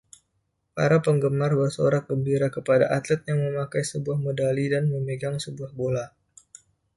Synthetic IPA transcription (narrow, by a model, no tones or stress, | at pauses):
pa̰ɾapəŋɡəmarbərso̰ɾak̚ɡəmbiɾakəpadaʔat̪lɛt̪̚jaŋməmakajsəbuahmodalidanməməɡaŋsəbuahbola